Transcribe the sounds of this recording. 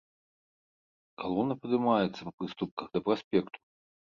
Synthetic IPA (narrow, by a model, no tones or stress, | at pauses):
kalˠɔnːɐpɐd̪ɨmajɛt̪sːɐpɐpɾɨst̪up̚kɐɣd̪ɐpɾasʲpʲɛkt̪u̥